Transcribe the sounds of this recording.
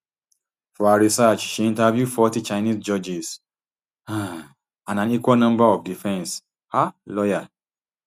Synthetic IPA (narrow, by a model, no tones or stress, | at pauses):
fɔaɹisat͡ʃʃiĩntavjufɔtit͡ʃaɪnisd͡ʒɔd͡ʒis | a | ãndãnikwalnʌ̃mbaɔfdifɛ̃ns | halɔja